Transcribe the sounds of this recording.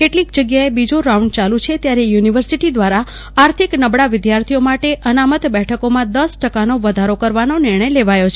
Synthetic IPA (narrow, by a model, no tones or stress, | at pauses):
keʈlik̚d͡ʒəɡjaebid͡ʒoɾauɳɖ̚t͡ʃalũt͡ʃʰet̪jaɾejuniʋəɾsiʈid̪ʋaɾa | aɾt̪ʰiknəbɽaʋɪd̪jaɾt̪ʰijomaʈeʔənamət̪bɛʈʰəkomãd̪əsʈəkanoʋəd̪ʱaɾokəɾʋanonɪɾɳ̃əjleʋajot͡ʃʰe